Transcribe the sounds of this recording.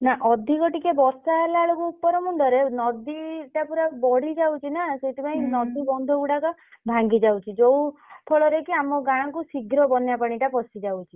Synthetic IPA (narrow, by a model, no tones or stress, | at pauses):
naʔɔd̪ʱikɔʈikebɔɾsalaɭokuːpːɔɾɔmuɳɖɔɾenɔd̪iʈapuɾabɔɽid͡ʒawt͡ʃʰinaset̪ipaj̃ĩnɔd̪ibɔnd̪ʱɔɡuɽakɔbʱãŋɡid͡ʒawt͡ʃʰid͡ʒɔwpʰɔɭɔɾekiamɔɡaɽ̃ɔ̃kusiɡʱɾɔbɔnjapaɽ̃iʈapɔsid͡ʒawt͡ʃʰi